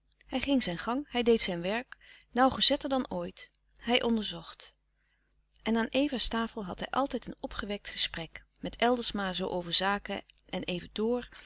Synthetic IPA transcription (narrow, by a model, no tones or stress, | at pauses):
ɦɛjχɪŋzɛjnχɑŋɦɛjdejtsɛjnʋɛɹknawχəzɛtəɹdɑnoːjt | ɦɛjʔɔndəɹzɔχt | ʔɛnaːnʔejvaːstaːfəlˠɦɑtɦɛjʔɑ̰lˠtɛjtənɔpχəʋɛk̚tχəsprɛkmɛtɛlˠdəɹsmaːɹzowʔowvəɹzaːkə̰ʔɛnʔejvədʊːɹ